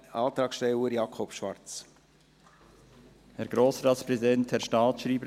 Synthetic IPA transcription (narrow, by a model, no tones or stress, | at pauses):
ɑːt̪ɾɑːksʃtɛləɾjɑːkʰɔpʃʋɑɾt͡s | hɛɾɡ̥ɾoːsɾɑːt̪spɾɛzidɛnthɛɾʃtɑːtʃɾiːbəɾ